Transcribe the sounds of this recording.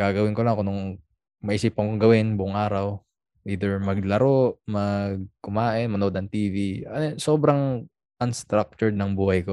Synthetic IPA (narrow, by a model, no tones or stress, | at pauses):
ɡ̥aːɡɐwɪnkolɐŋɐkonʊŋ | mɐʔiːsiːpɐŋoɡɐwɪnbʊʔʊŋʔaːɾɐw | ʔiːd̪ɛɹmɐɡ̚lɐɾoʔmɐɡ̚kʊmaːʔɪnmɐnoʔod̪ɐŋt̪iːviɐnoso̞ːbɾɐŋ | ʔɐnst̪ɾak̚t͡ʃʊɹd̪̚nɐŋbuːhɐjko̞